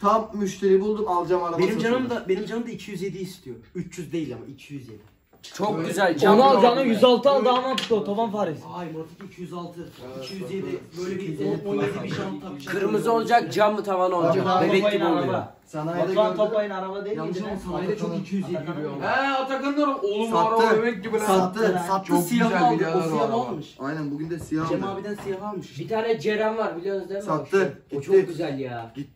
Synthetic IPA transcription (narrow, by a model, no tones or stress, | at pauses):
t̪ʰamːyʃt̪ʰeɾibulˠd̪umalˠd͡ʒamabenimd͡ʒanɯmd̪abe̞nimd͡ʒanɯmd̪aicʰijyzje̞d̪iist̪ʰijoyt͡ʃʰjyzd̪e̞jilʲamaicʰijyzjed̪i | t͡ʃʰo̞k̚ɟyzælʲd͡ʒonualˠd͡ʒanɯjyzalˠt̪ʰɯalˠd̪anapd̪ɯot̪ʰavanfaːɾizjmoɾt̪akicʰijyzalˠt̪ʰɯicʰijyzjed̪ibøjlʲɛbioned̪ibiat̪ʰkʰɯɾmɯzo̞lˠd͡ʒak̚d͡ʒamːɯt̪ʰavanolˠd͡ʒak̪obɛaib̪oalˠɾaja | sɛnaaat̪ʰap̪ajɯnaɾavad̪ejid̪ɛsat͡ʃokit͡ʃʰijyzjeiaoɛat̪ʰaɾɡ̪anɯjoɾumolˠumaaɾaɯømɛibiat̪ːɯaosiaoosjanolˠmɯʃajnænbuɡʲynd̪ɛsijaemabid̪ænsɯjalanmɯʃbit̪ʰaːnɛd͡ʒeɾæmvaɾbilʲizd̪emat̪ːɯt͡ʃʰokɟyzælʲjaː